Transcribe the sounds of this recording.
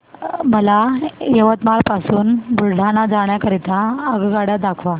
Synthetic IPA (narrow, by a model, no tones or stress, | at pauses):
məlajəʋət̪maɭpasuːnbuɾɖʱanad͡zaɽ̃jakəɾit̪aəɡɡaɽjad̪akʰʋa